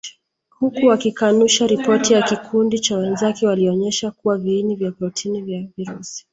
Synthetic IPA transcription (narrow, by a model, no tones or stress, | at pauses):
hukuwakikanuʃaɾipɔtijakikʰundit͡ʃawɛnzakɛwaliɔɲɛʃakuwaviːnivjapɾɔtʰinivjaviɾusi̥